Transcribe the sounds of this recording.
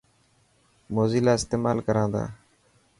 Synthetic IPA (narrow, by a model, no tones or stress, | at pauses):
moːziːlaːɪst̪eːmaːlkəɾãːnd̪a̰ː